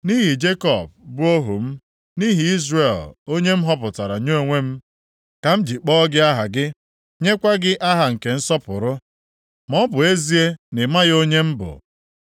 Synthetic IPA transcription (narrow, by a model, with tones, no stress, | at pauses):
ni˦ɦi˨d͡ʒe˦kɔ˨b̚bʊ˦o˦ɦṵ˨m̩˦ | ni˦ɦi˨i˦zre˨lo˦ɲe˦m̩˦ɦɔ˦pʊ˨ta˨ɾa˨ɲo˦˨ŋʷe˦m̩˦ | ka˨m̩˦d͡ʒi˨k͡pɔ˦ɡɪ˦a˦ɦa˨ɡɪ˦ | ɲe˦kʷa˦ɡɪ˦ʔa˦ɦa˨ŋ̩˨ke˨n̩˦sɔ˦pʊ̰˨ɾʊ˦ | mɔ˦bʊ˨e˦zi˦e˦nɪ˨ma˦ɣo˦ɲe˦m̩˦bʊ̰˨